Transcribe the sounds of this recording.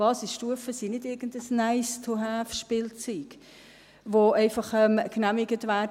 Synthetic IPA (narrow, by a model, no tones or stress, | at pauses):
ɑːsisʃtuəfəsinɪdɪɾɡ̥əndəsnæɪstʰʊɦæːfʃpɪːlt͡syːɡ̥ | ʋoɛɪfɑχɛmknæmɪɡətʋæː